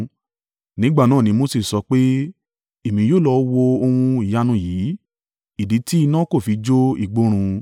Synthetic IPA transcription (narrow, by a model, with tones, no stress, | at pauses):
nĩ˨˦ɡ͡ba˦˨nãː˦˨nĩ˨˦mo˦si˦˨sɔ˧k͡pe˦ | e˦˨mĩ˨˧˦joː˦˨lɔ˧˦wo˧o˧hũ˧i˨ja˦nũ˧jiː˨˦ | i˨di˨˦ti˦i˧nã˦ko˦˨fi˨˦d͡ʒo˦ḭ˦˨ɡ͡bo˨˦ɾ̃ũ˧